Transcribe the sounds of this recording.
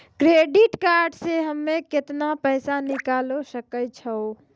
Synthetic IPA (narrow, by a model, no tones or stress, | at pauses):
kɾeɖiʈkaɾɖseɦəmːeket̪napəjsanikalosəkəjt͡ʃʰəo